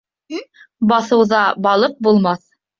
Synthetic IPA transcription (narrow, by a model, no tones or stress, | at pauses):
bɑθɤ̆wðɑbɑlˠɤq̚bulˠmɑθ